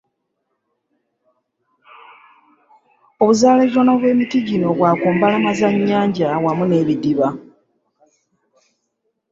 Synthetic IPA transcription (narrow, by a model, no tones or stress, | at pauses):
o̞βuzaːleʒonoβwe̞ːmitiɟino̞βwaːkoːmbalamazaɲːaːɲɟawamune̞ːβidiβa